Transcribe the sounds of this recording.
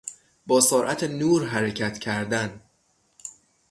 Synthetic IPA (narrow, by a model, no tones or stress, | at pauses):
bɒːsoːɾʔæt̪ʰenuːɾɦæɾecʰæt̪ʰcʰæɾd̪æn